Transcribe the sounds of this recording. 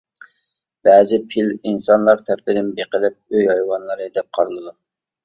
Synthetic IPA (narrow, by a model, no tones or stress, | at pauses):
b̥ɛːzɪpʰilinsɑnlˠɑɾt̪ʰæɾpɪd̪ɪnbeqəlɪp̚øjhɑjwɑnlˠɨɾɨd̪ɛp̚qʰɑɾɨlˠɨd̪u